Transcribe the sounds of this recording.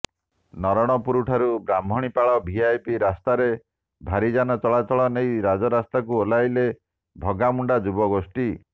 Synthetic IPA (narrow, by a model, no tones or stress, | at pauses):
nɔɾɔɽ̃ɔpuɾuʈʰaɾubɾambʱɔɽ̃ipaɭɔbʱiajpiɾast̪aɾe | bʱaɾid͡ʒanɔt͡ʃɔɭat͡ʃɔɭɔnejɾad͡ʒɔɾast̪akuolajle | bʱɔɡamuɳɖad͡ʒubɔɡosʈi